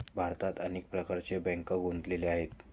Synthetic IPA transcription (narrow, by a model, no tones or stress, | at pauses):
bʱaɾt̪at̪əneːk̚pɾəkaɾt͡ɕebɛ̃ŋkəɡund̪leleaɦet̪